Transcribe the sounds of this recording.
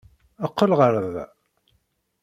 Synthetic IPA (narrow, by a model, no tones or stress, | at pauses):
əqːəlʁəɾˤəð